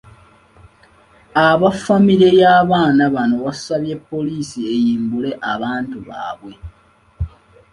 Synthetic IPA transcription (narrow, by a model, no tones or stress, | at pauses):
aβafamiɾe̞jaːβaːnaβano̞βasaβje̞pːo̞liːsie̞jiːmbule̞ʔaβaːntuβa̰ːβwe̞